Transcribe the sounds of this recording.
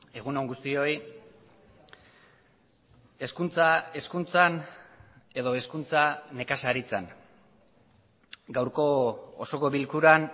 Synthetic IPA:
e̞ɣuno̞ŋɡust̪io̞j | e̞skunt͡sae̞skunt͡san | e̞ðo̞e̞skunt͡sane̞kasaɾit͡san | ɡawɾko̞oso̞ko̞βilkuɾan

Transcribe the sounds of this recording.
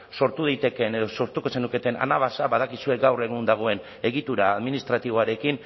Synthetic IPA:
so̞ɾt̪uð̞ejt̪e̞ke̞ne̞ðo̞so̞ɾt̪uko̞se̞nuke̞t̪e̞na̰naβasaβað̞akisue̞ɡawre̞ɣ̞und̪aɣ̞o̞e̞n | e̞ɣit̪uɾaːðminist̪ɾat̪iβo̞aɾe̞kin

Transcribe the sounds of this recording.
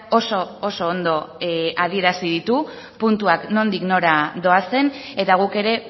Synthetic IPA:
o̞so̞ːso̞ːnd̪o̞aðie̞ɾasið̞it̪u | punt̪uakno̞nd̪ikno̞ɾaðo̞ase̞ne̞t̪aɣ̞uke̞ɾe̞

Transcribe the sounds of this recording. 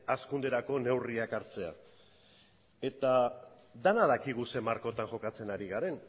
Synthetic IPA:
askund̪e̞ɾako̞ne̞wriakaɾt͡se̞a̰ | e̞t̪a | d̪anað̞akiɣ̞use̞maɾko̞t̪anʝo̞kat͡se̞naɾiɣaɾe̞n

